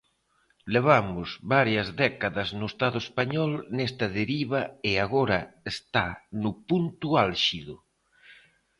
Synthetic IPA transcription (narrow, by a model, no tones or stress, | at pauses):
leβ̞amʊzβaɾjazðɛkaðɐznoest̪aðoespaɲɔlnest̪ɐðeɾiβaeaɣoɾɐest̪anʊpunt̪ualʃiðu